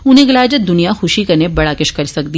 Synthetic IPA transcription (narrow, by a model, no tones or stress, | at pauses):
ʊnɦẽɡɐlaːd͡ʒət̪̚d̪ʊnijaxʊʃikɐɾnebɐɽaːkɪʃkɐɾsɐk̚d̪iː